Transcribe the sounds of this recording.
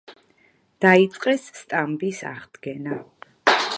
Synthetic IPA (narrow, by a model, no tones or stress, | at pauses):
d̪̥ait̪sʼqʼɛsːt̪ʼambisa̰ʁd̪ɡɛna